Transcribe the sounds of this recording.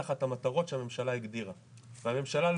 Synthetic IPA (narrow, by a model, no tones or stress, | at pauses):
aχat̪hamat̪aʁo̞tʃehame̞mʃalaiɡd̪iʁa | veame̞mʃalal